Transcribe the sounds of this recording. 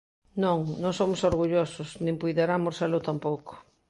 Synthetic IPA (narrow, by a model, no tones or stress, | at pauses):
nõŋnõŋsomʊsoɾɣuʎosʊsnĩŋpujðeɾamoɾselot̪ampowko̥